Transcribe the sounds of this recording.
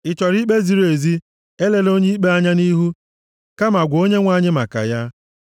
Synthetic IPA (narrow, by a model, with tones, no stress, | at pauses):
ɪ˨t͡ʃɔ˨ɾi˦k͡pe˦zi˨ɾo˨e˨zi˦ | e˦le˨lo˦ɲi˦i˦k͡pe˦a˦ɲa˦ni˦ɦu˦ | ka˦ma˨ɡʷo˦ɲe˦ŋʷa˦˨ɲɪ˦ma˨ka̰˨ja˦